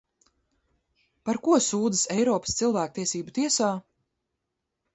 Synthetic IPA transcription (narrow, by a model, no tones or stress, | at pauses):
paɾkuɔsuːd̪əsɛjɾɔːpə̥st̪silˠvæːk̚t̪iɛsiːbut̪iɛsaː